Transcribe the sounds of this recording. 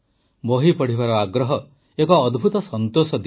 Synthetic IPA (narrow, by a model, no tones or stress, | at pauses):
boɦipɔɽ̤iβaɾɔaɡɾɔɦɔ | ekɔːd̪ʱbʱut̪ɔsɔnt̪osɔd̪